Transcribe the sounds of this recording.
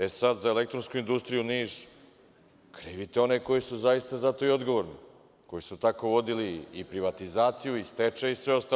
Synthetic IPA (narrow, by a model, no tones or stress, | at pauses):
esad̪zae̞le̞k̚t̪ɾo̞nskuind̪ust̪ɾijuniːʒ | kɾiːʋit̪eo̞neko̞jisuzajist̪azat̪o̞io̞d̪ɡo̞ʋoɾnḭ | ko̞jisut̪ako̞ʋo̞d̪iliːpɾiʋat̪izaːt̪sijuist̪et͡ʂeisʋeo̞st̪a